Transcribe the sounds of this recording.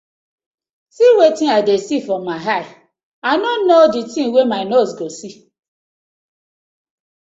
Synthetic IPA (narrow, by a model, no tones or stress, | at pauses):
siwetĩaɪdesifɾɔmːaɦaɪ | anon̩noditĩnwemaɪnosɡosi